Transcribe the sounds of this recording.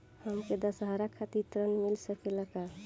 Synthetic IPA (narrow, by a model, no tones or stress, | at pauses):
həmked̪əsɦaɾakʰːat̪it̪ɾənmilsəpʰeləka